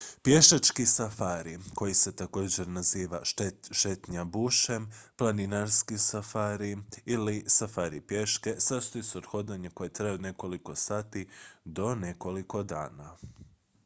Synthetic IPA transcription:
pje̞ʃat͡ʃkisafaːɾiko̞jise̞t̪ako̞ːd͡ʑe̞ɾnaziːʋa̰ʃe̞t̪ɲabuʃe̞mplaninaɾskisafaːɾiilisafaːɾḭpje̞ʃke̞sast̪ojuseod̪xo̞d̪aɲeko̞jet̪ɾajeod̪ne̞ko̞liko̞saːt̪id̪o̞ne̞ko̞liko̞d̪a̰ːna

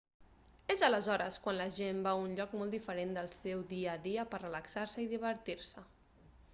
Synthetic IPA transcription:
ezələzɔɾə̰skwanləʒembaunʎɔkmɔlˠd̪ifəɾend̪əlˠsɛwðiəðiəpərələksaɾsəiðiβ̞əɾt̪iɾsə

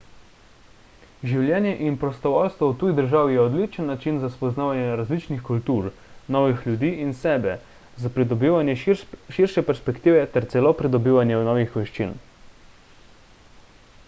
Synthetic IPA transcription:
ʒiwljɛːnjɛʔinpɾɔst̪ɔʋɔlst̪ʋɔwt̪uːjid̪əɾʒaːwijɛɔd̪liːt͡ʃənːat͡ʃinzaspɔznaːʋanjɛɾazlit͡ʃnixkult̪uːɾ | nɔːʋixlʲjud̪iːʔinsɛːbɛ | zapɾid̪ɔbiʋanjɛʃiɾʃɛpɛɾspɛkt̪iːʋɛt̪ɛɾt̪sɛloːpɾid̪ɔbiːʋanjɛnɔːʋixʋɛʃt͡ʃḭn

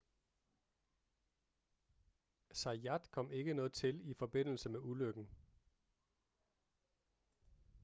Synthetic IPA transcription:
sɑ̈æd̥kʰɒ̽m̰e̝ɡ̥ənɔ̽ːð̩ˠt͡sʰe̝lifɒ̽b̥e̝n̰l̩səmeuløɡ̥n̩

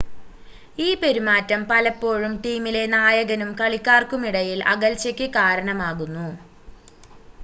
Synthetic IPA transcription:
iːpe̞ɾimaːtːɐmpɐlɐpːo̞ːɻumʈiːmile̞naːjɐɣɐnumkɐɭikʲːaːrkumiɽɐjilɐ̰ɣɐlt͡ɕɐkʲːɨkaːɾɐɳɐmaːɣunːu

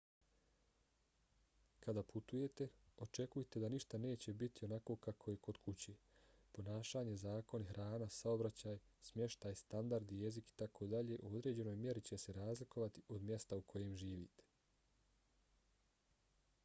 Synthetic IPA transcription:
kad̪aːpʰut̪uje̞t̪e̞o̞t͡ʃe̞kujet̪e̞d̪aniʃt̪ane̞ːt͡ɕe̞bit̪ʰio̞nako̞ːkakʰo̞je̞ko̞d̪kʰut͡ɕe | po̞naːʃaːɲe̞zaːko̞nixɾʔaːnasao̞bɾat͡ɕaːjsmje̞ʃt̪aːjst̪and̪aɾd̪ije̞ziki̥t̪akʰo̞d̪aʎe̞ʔuo̞d̪ɾe̞ːd͡ʑe̞no̞jmje̞ɾit͡ɕe̞seɾaːzliko̞ʋat̪iʔo̞d̪mje̞st̪aukʰo̞je̞mʒiːʋḭːt̪e̥

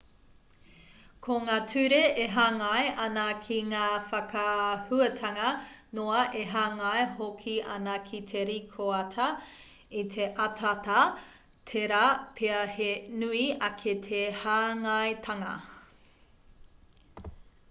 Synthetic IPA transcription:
kʰoŋaːtʰʉɾeeɦaːŋɐeʔɐnɐkʰiŋaːfɐkʰɐhʉɐtʰɐŋɐnoɐʔeɦaːŋɐeɦokʰiʔɐ̰nɐkʰitʰeɾikʰoɐtʰɐ | itʰeʔɐtʰatɐ | tʰeɾapʰeɐhenʉiɐkʰetʰehaːŋɐjtʰɐŋɐ̰

